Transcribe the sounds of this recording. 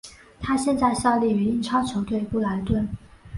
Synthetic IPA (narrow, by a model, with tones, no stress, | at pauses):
t̪ʰa˥ɕjɛ˥˧nt͡sa˥˧ɪɕjɑ˥˧ʊli˥˩y˧˥i˥˩ŋʈ͡ʂʰɑ˥ʊt͡ɕʰjo˧˥ʊt̪we˥˧ɪpu˥˩la˧˥ɪt̪wə˥˩n